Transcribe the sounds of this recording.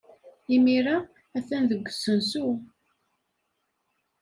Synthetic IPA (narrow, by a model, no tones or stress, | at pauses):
imiɾa | æθænðəɡʷːəsənsu